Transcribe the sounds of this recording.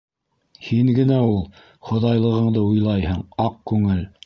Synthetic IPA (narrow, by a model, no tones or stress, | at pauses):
hiŋɡɘ̆næulˠ | χŏðɑjlˠɤ̆ʁɤ̆ɴd̪ɤujlˠɑjhɤɴɑq̚kʉŋɘl